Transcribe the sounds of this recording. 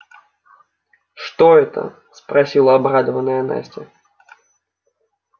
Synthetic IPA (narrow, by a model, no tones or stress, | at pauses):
ʂt̪ɔɛt̪ʰə̰ | spɾasʲilˠɐabrad̪əvɐnəjɐna̰sʲtʲɛ